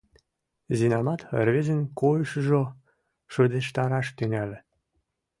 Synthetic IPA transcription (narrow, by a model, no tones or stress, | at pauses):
zinɑmɑt̪rβezə̆nkojʃəʒo | ʃod̪eʃt̪ɑɾɑʃt̪yŋælĕ